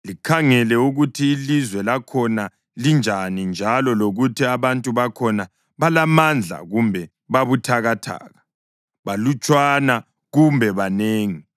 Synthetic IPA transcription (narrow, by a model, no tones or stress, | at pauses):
likʰaŋɛlɛuɣutʰiːlizwɛlakʰɔna | lind͡ʒʱanind͡ʒʱalɔloɣutʰiaβantʼuβakʰɔna | βalamand͡ɮʱa̰ɣumbʱɛ | βaβutʰaɣatʰa̰ːɣa | βalut͡ʃʼwana | ɣumbʱɛβaneːŋi